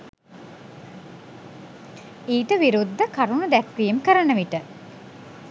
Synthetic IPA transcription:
iːʈəʋiɾud̪ːəkaɾunud̪ækʋiemkəɾənəʋiʈə

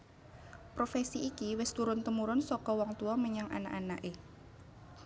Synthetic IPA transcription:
pɾofesiːkiwɪst̪uɾʊnt̪əmuɾʊnsɔkɔwɔŋt̪uɔməɲaŋʔa̰na̰ʔana̰ʔe

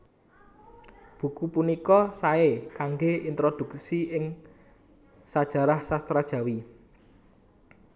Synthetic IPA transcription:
b̥ṳkupunikɔsaekaŋɡeint̪ɾod̪̥ṳk̚siɪŋ | sad̥ʒ̥a̤ɾahsast̪ɾad̥ʒ̥ä̤wi

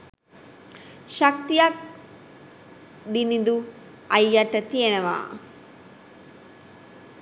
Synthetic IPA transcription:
ʃɐk̚t̪ijak̚ | d̪inid̪u | ɐjːaʈət̪ijenɐʋa̰ː

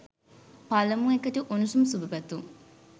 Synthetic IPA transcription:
pɐlɐmuekːɐʈuʔunusumsubɐbɐt̪ːu

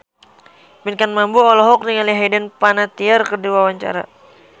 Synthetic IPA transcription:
minkanmambuɔlɔɦɔk̚niŋaliɦɛdɛnpanat̪iarkərdiwawaɲt͡ʃa̰ɾa̰

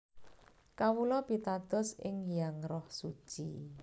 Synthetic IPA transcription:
kawulɔb̥it̪ad̪̥ɔ̤sɪ̰ŋjaŋrɔhsu̥ʒ̥i

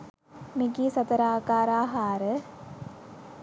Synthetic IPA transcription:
miɡisɐt̪ɐɾaːkaːɾaːɦaːɾə

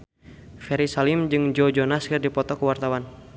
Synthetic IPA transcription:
fɛɾisalimd͡ʒɨŋd͡ʒɔd͡ʒɔnaskɨrdipɔt̪ɔkəwart̪awan

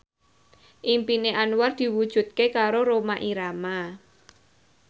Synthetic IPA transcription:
ʔimpineʔanward̪̥i̤wud̥ʒ̥ṳt̪̚kekaɾoɾomaʔiɾama

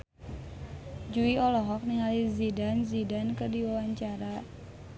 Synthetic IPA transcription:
d͡ʒuiɔlɔɦɔk̚niŋalizidanzidankərdiwawaɲt͡ʃaɾa

